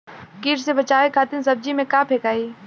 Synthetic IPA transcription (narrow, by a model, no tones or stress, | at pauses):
kiːɾsebɐt͡ʃaːekʰaːt̪ɪnsɐb̚d͡ʒimẽkaːpʰeːkaːiː